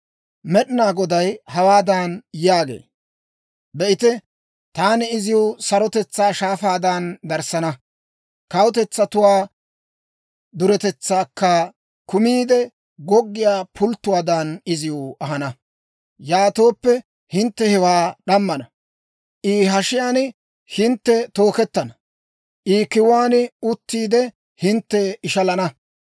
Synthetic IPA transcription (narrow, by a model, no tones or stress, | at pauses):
mɛɗɪnaːɡɔd̪ɐjhɐwaːd̪aːnjaːɡḛː | bɛʔɪt̪ɛ | t̪aːnɛɪzɪjʊsɐɾɔt̪ɛt͡sːaːʃaːfaːd̪ɐnd̪ɐɾsɐnɐ | kɐwt̪ɛt͡sːɐt̪ʊwaː | d̪ʊɾɛt̪ɛt͡sːaːkːɐ | kʊmiːd̪ɛ | ɡɔɡːɪjaːpʰʊlt̪ːʊwaːd̪ɐnɪzɪjoːɐɦɐnɐ | jaːt̪o̞ːpːɛ | hɪnt̪ːɛhɛwaːɗɐmːɐnɐ | ʔiːɦɐʃɪjaːn | hɪnt̪ːɛt̪o̞ːkɛt̪ːɐnɐ | ʔiːkɪwaːnʊt̪ːiːd̪ɛ | hɪnt̪ːɛɪʃɐlɐnɐ